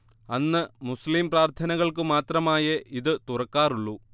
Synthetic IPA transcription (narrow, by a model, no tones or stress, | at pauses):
ɐnːɨmuslimpraːrt̪ʰɐnɐɣɐɭkɨmaːt̪rɐmaːjɐʔiðɨt̪urɐkːaːruɭːu